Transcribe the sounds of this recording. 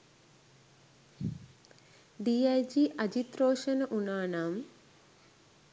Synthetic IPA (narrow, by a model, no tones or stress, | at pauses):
ɖiːajd͡ʒiʔɐd͡ʒit̪ɾoːʃɐnɐʔunaːnaːm